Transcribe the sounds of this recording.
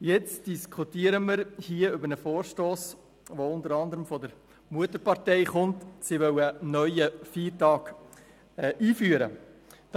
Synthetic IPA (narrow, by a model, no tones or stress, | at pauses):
jɛt͡sd̥iskʰχutiːəɾəməɾhiːəʏbəɾnəfoːɾʃtoːs | ʋoʊndəɾɑnd̪əɾəmfɔdəɾ | muətəɾpɑɾtɛɪχʊntsiʋœwənœʏəfiːɾtɑːk | ɛʔiːfyːəɾə̰ | d̥